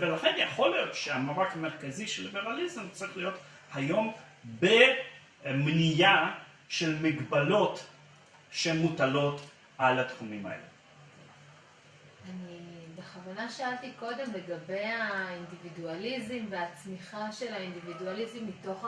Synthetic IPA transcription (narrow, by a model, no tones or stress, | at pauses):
velaχenjeχo̞lijo̞tʃeamaʁakameʁkaziʃelːibeʁalizmt͡siχlijo̞t | hajo̞m | be | mnija | ʃelmiɡbalo̞t | ʃelmutalo̞t | ʔalatχumima̰ḛlḛ | anibeχavanaʃaaltiko̞de̞mle̞ɡabe̞jaindividualizimve̞at͡smiχaʃe̞laindividualizimːito̞χ